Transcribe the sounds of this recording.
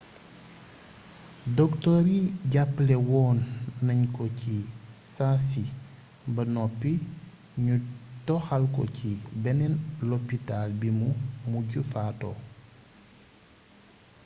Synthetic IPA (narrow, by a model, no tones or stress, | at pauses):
dɔktɔɾiɟapːlɛwɔːnːɐɲkɔcisasi | bɐnɔpːi | ɲutɔxalkɔ̰cibɛnɛnlopitalbimumuɟufatɔ̰